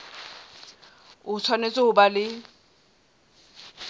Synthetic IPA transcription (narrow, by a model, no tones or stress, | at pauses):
ʊt͡sʰwanet͡sʼoʊbalɪ